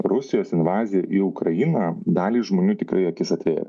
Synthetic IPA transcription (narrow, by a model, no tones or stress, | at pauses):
rʊsʲɪjoːsɪnʋɑːzʲɪjɛʔiʊkɾɐjinɐːd̪ɑːlʲiːsʒmoːnʲuːt̪ʲɪkɾɐɪɐkʲɪsɐt̪ʲʋʲḛːjʲɛ̰